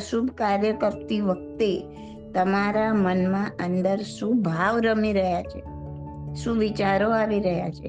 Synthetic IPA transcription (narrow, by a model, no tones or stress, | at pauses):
ʃubʱkaɾjəkəp̚t̪iʋək̚t̪e | t̪əmaɾamənmãʔənd̪əɾʃũbʱaʋɾəmiɾəɦjat͡ʃʰe | ʃũʋit͡ʃaɾoaʋiɾəɦja̰t͡ʃʰḛ